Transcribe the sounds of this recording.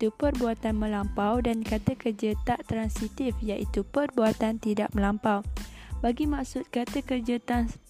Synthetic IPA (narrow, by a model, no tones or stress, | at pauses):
t̪upərbuat̪anmə̃lampawdankat̪əkərd͡ʒət̪aʔt̪ɾansit̪ɪfjaʔit̪upərbuat̪ant̪ida̰ʔ̚mə̃lampawbaɡimaksʊt̪̚kat̪əkərd͡ʒat̪an